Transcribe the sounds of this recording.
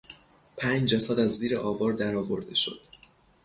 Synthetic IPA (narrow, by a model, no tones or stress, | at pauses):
pʰæːnd͡ʒd͡ʒæsæd̪æzːiːɾeʔɒːbɒːɾd̪æɾɒːvo̞ɾd̪e̞ʃo̞̰d̪̥